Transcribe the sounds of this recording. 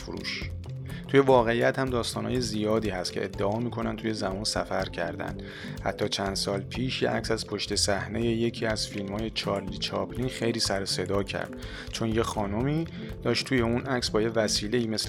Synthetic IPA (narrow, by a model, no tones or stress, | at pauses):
fuɾṵːʃ | t̪ʰuje̞vɒːɣeijæt̪hæmd̪ɒːst̪ɒːnhɒ̰ːjezijɒːd̪iːhæst̪cʰe̞̰ʔḛd̪ːeʔɒːmiːkʰo̞nænt̪ʰuje̞zæmɒːnsæ̰fæɾcʰæ̰ɾd̪æ̰nd̪ | hæ̰t̪ʰːɒːt͡ʃʰænd̪̥sɒːlpʰiːʃjḛʔæ̰csæz̥pʰo̞ʃt̪e̞sæhne̞je̞je̞cʰiːæz̥filmhɒːje̞t͡ʃʰɒɾliːt͡ʃʰɒːpliːnxejliːsæɾose̞d̪ɒːcʰæ̰ɾd̪̥ | t͡ʃʰo̞nje̞xɒːnomiː | d̪̥ɒːʃt̪t̪ʰuːjeunʔæcsbɒːje̞væsiːle̞iːmes